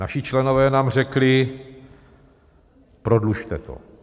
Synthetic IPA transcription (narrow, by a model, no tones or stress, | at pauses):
naʃɪt͡ʃlɛnovɛːnaːmr̝ɛklɪ | pɾo̞dluʃt̪ɛ̰t̪o̞̰